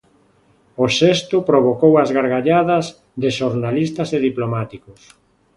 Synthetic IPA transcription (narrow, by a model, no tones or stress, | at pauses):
osest̪ʊpɾoβ̞okowazɣaɾɣaʎaðɐz | ðeʃoɾnalist̪ɐseðiplomat̪ikʊs